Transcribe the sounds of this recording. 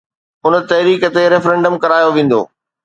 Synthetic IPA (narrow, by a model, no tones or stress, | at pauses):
ʊnə̆t̪ɐɦɾiːkət̪eɾefɾẽːɳɖəmkɐɾaːjoʋẽːn̆d̪o̰ː